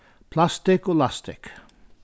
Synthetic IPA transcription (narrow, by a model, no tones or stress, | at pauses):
pʰlast̪ɪkolast̪ɪk